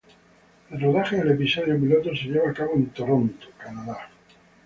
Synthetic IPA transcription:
elroðaχeðelepisoð̞jop̬ilot̪oseʎeβ̞aːkaβoent̪oɾont̪o̥kanaða

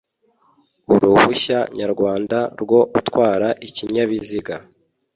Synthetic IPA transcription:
uɾuβuçaɲaɾɡwaːndaɾɡwo̞utkwaːɾaʔiciɲaβiziɡa

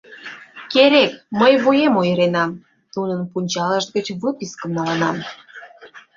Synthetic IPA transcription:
keɾek̚məjβujemojəɾenɑm | nunənpunʲt͡ɕɑləʃt̪ɡət͡ɕβəkiskə̆mnɑlənɑm

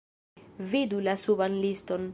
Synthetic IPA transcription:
vidulasubanlisto̞n

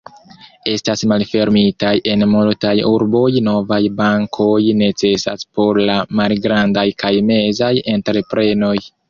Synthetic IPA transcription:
e̞stasmalfe̞ɾmitajʔe̞nmultajuɾbo̞jno̞vajbaŋkʰo̞jne̞t͡se̞sa̰spo̞ɾlamalɡɾandajkʰajme̞zaje̞ntɾe̞pɾe̞no̞j

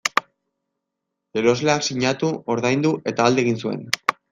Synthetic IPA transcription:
e̞ɾo̞zleaksiɲat̪uo̞ɾðajnd̪uʔe̞t̪aːld̪e̞ɣinsue̞̰n

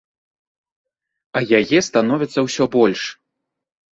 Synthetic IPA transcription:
ɐjajɛst̪an̪ɔvʲit̪sːɐwsʲɔbɔlʲʂ

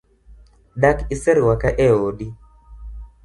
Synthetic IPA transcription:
dakisɛɾwakaʔɛoɗi

